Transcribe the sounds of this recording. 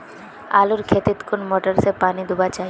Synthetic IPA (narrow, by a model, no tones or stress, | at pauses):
a̰luɾkʰet̪it̪konmoʈaɾsepanid̪ubat͡ɕaj